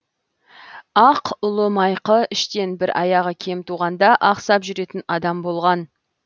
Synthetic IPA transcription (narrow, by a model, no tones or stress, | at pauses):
ɑqʊlˠəmɑjqəɪʃt̪e̞nbɪɾʔɑjɑʁəkʲʰe̞mt̪ʰuʁɑnd̪ɑʔɑqsɑpʒʏɾe̞t̪ɪnɑd̪ɑmbo̞lˠʁɑn